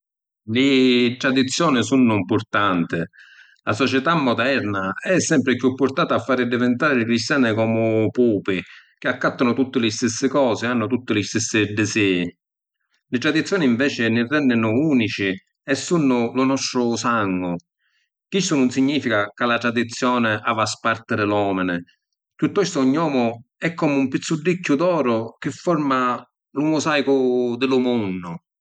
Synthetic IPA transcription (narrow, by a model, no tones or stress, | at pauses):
lɪt̪ɾad̪it̪sːjɔːnɪsunːʊimpʊɾt̪ant̪ɪ | lasɔt͡ʃɛt̪amːɔd̪ɛɾnaɛsːɛmpɾɪkjupːʊɾt̪aːt̪aːfːaːɾɪd̪ɪvɛnt̪aːɾɪkɾist̪jaːnɪkɔːmʊpuːpɪk̟ɪakːat̪ːanʊt̪ut̪ːɪlɪst̪ɪsːɪkɔːsɪanːʊt̪ut̪ːɪlɪst̪ɪsːɪd̪ɪsɛː | lɪt̪ɾad̪it̪sjɔːniɱvɛːt͡ʃɪnɪrːɛnːɪnʊuːnit͡ʃɪ | ɛsːunːʊlʊnɔst̪ɾʊsaŋːʊ | k̟ist̪ʊnʊnsiɲːiːfikakalat̪ɾad̪it̪sːjɔːnɪʔavaspaɾt̪ɪdɪlɔːmɪnɪ | t̪ut̪ːɛst̪ʊɲːɔːmʊɛkːɔːmɪumpit̪sːurːicːʊd̪ɔːɾʊk̟ɪfːɔɾma | lumʊsajkʊd̪ɪlʊmunːʊ